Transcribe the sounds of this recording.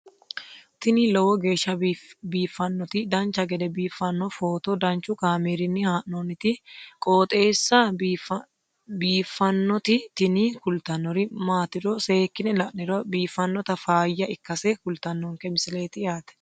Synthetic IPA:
t̪ɪnilɔwɔɡe̞ːʃːɐbiːfːɐnːɔt̪ɪd̪ɐnt͡ʃɐɡɛd̪ɛbiːfːɐnːɔfoːt̪ɔd̪ɐnt͡ʃʊkaːmeːɾɪnːɪhaːʔnonɪt̪ɪkʼoːt̪ʼe̞ːsːɐ | biːfːɐnːɔt̪ɪt̪ɪnikʊlt̪ɐnːɔɾɪmaːt̪ɪɾɔseːkːɪnɛlɐʔnɪɾɔbiːfːɐnːɔt̪ɐfaːjːɐʔɪkːɐseːkʊlt̪ɐnːɔŋkɛmɪsɪle̞ːt̪ɪaːt̪ɛ̥

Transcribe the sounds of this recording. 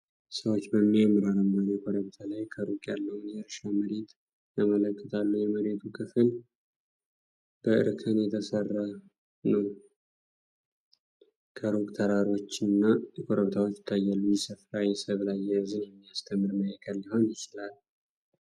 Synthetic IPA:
səwot͡ʃːbəmːijamɾaɾəmbəɾekʰoɾəβt̪ʰalajkʰəɾukʼjalːəwnjɛɾʃaməɾe̞t̪ | jamələkʼːə̥t̪ʰalːujɛməɾe̞t̪ʰukʰɨfɨl | b̥əʔɨ̰ɾkʰɨnjɛt̪ʰəsərːa | nəw | kʰəɾokʼt̪ʰəɾaɾo̞t͡ʃːnːakʰoɾəβt̪ʰawot͡ʃːɪ̥t̪ʰːajːalːujɛsəfɾajisəβlajːɛjzɨnjɛmːijast̪ʰəmːɨɾməjəkʰəlːiho̞njɪt͡ʃɪlal

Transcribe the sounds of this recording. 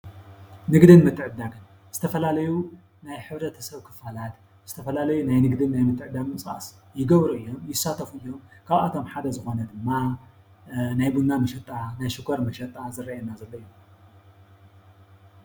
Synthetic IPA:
nɨɡd̪ɨnmɨt̪ːɨʕɨd̪aɡɨn | z̥ɨt̪ʰɐfɐlalɐju | najħɨβɾɐt̪ʰɐ̥sɐβkʰɨ̥falat̪ | z̥ɨt̪ʰɐfɐlalɐjunajnɨɡd̪ɨnːajmɨt̪ʰːɨʕɨd̪aɡmɨt͡sʼa̰s | jɪɡɐβɾuɨjːo̞mjɪsːat̪ʰɐfuɨjːo̞mkʰaβa̰t̪ʰo̞mħad̪ɐzɨxo̞nɐd̪ɨmːa | najbunːamɐʃɐt̪ʼːanajʃɨkʰoɾmɐʃɐt̪ʼːazɨrːajɛnːazɐlːoju

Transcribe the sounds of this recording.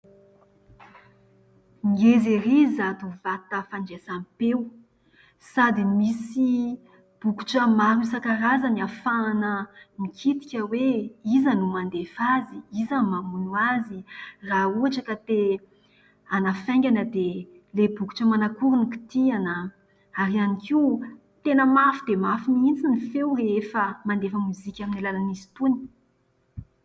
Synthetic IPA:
ŋɡeziɾizat̪uvat̪əfaɳd͡ʒesampew | sad̪imisi | b̥uku̥ʈ͡ʂəmaɾusakaɾazaniafanəmikʰit̪i̥kʲəweizanumand̪efaziizamamunuazirauaʈ͡ʂəkat̪e | anafɛŋɡʲanəd̪e | lebuku̥ʈ͡ʂəmanakuɾuniki̥t̪ianə | aɾianikiw | t̪enəmafid̪emafinint͡sinifewrefəmand̪efəmuzikʲaminilalanizi̥t̪uni̥

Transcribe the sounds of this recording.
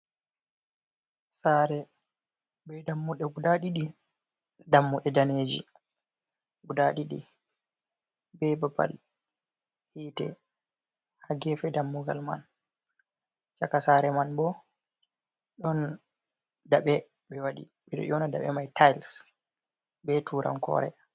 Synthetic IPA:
saːɾɛ | bɛdamːuɗɛɡuɗaɗiɗi | damːuɗɛdaneːd͡ʒḭ | ɡudaɗiɗḭ | bɛbaba̰l | hiːtɛ̰ | haɡɛfɛdamːuɡa̰lma̰n | t͡ʃakasaɾɛmanbɔ | ɗɔn | daɓɛ | ɓɛwaɗḭ | ɓɛɗɔ̰jɔnada̰ɓɛ̰majtʰajls | bɛtʰuɾʔa̰nkʰɔ̰ːɾɛ̰

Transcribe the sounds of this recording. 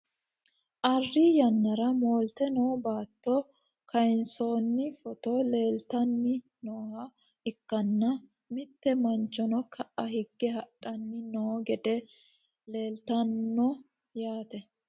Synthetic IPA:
ʔɐrːiːjɐnːɐɾɐmoːlt̪ɛnoːbaːt̪ːɔ | kʰɐɪnso̞ːnːɪfɔt̪ole̞ːlt̪ɐnːɪ | noːhɐ | ɪkːɐnːɐ | mɪt̪ːɛmɐnt͡ʃːɔnɔkʰɐʔɐhɪɡːɛɦɐʔʼːɐnːɪnoːɡɛd̪ɛ | le̞ːlt̪ɐnːɔ | jaːt̪ɛ

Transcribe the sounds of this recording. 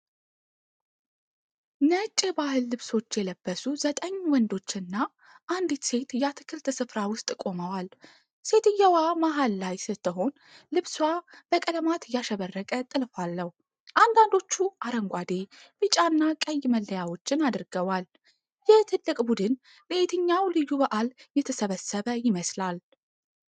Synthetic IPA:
nət͡ʃʼːɛbahɨlːɨβso̞t͡ʃːjɛləbːəsuzət̪ʼəɲːwɔnd̪o̞t͡ʃːɨnːa | ʔand̪it̪se̞t̪jɛat̪ʰɨ̥kʰɨlt̪ʰɨsɨfɾawʊst̪ʼkʼo̞məwal | se̞t̪ɨjːɛwamaɦalːajsɨt̪ʰːəɦo̞n | lɨβswab̥əkʼələmat̪jaʃəβərːəkʼət̪ʼɨlfalːəh | ʔand̪and̪o̞t͡ʃːuʔaɾəŋɡʷad̪e̞bɨt͡ʃʼanːakʼəjːməlːəjawo̞t͡ʃːɪnad̪ɨɾɡəwal | jɛt̪ʰɨlːɨkʼbud̪ɨn | bəʔet̪ʰɨɲːawlɨjːubəʔaljɛt̪ʰəsəβəsəβəjɪməslal

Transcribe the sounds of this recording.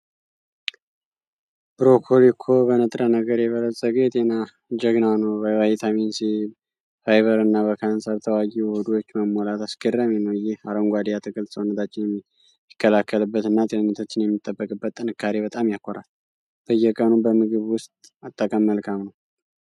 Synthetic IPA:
b̥ɾokʰolikʰːo̞bənət̪ʼɾənəɡəɾjɛβələsʼəɡet̪ʼena | d͡ʒəɡnanəwbəwajɛt̪ʰamensi | fajβəɾɨnːaβəkʰansəɾt̪ʰəwajɛhud̪wot͡ʃːməmːolat̪asɡərːamenəwɨjːɪhaɾəŋɡʷad̪ijat̪ʰɨkʼɨlsəonət̪ʰat͡ʃːɪnjɛm | ɪkʰːəlakʰːəlɨbːət̪ɨnːat̪ʼenɨnːət̪ʰot͡ʃːɪnjɛmːit̪ʼːəbːəkʼɨbːət̪ːʼɨnɨkʰːaɾeβət̪ʼamjakʰːoɾal | b̥əjːɛkʼənubəmɨɡɨβwʊst̪ʼat̪ʼːəkʼəmːəlkʰamnəw

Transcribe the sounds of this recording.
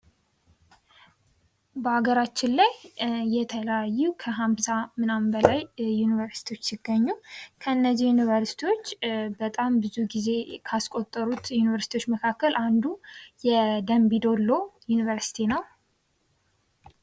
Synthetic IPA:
bəaɡəɾat͡ʃːɪnlajːɛt̪ʰələjajːukʰəɦamsamɨnambəlajːunivəɾsi̥t̪ʰiwo̞t͡ʃːsɪɡːəɲːukʰəɨnːəzːihjunivəɾsi̥t̪ʰiwo̞t͡ʃːbət̪ʼambɨzuɡize̞kʰaskʼo̞t̪ʼːəɾut̪junivəɾsit̪ijwot͡ʃːməkʰakːəlʔand̪ujɛd̪əmbid̪o̞lːojunivəɾsi̥t̪ʰinəw

